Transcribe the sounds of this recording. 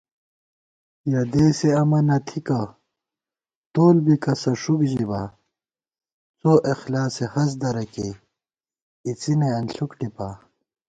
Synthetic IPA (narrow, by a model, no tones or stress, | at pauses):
jɐd̪eːseɐmɐnɐt̪ʰikɐ | t̪oːlbikɐsɐʂukʑiba | t͡soʔexlaːsehɐs̬d̪ɐɾɐke | it͡sineɐnɬukʈipaː